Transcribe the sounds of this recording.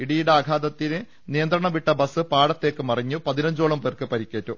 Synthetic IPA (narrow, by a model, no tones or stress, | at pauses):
iɽijiɽeɐɡʱaːd̪ɐt̪ːinɨ | nijɐnd̪ɾɐɳɐʋiʈːɐbɐsɨpaːɽɐt̪ːe̞ːkːɨmɐriɲːupɐðinɐɲd͡ʑoːɭɐmperkɨpɐɾikʲːeːtːu